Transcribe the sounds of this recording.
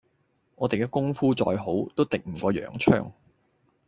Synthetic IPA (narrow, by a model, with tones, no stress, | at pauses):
ŋʔɔː˨˧t̪e˨jkɛː˧kʊ˥ŋfuː˥t͡ʃɔ̰ː˧jɦo˨˥wt̪o˥wt̪ɪ˨k̚m̩˨˩kʷɔː˧jœ̰ː˨˩ŋt͡ʃʰœ̰ː˥ŋ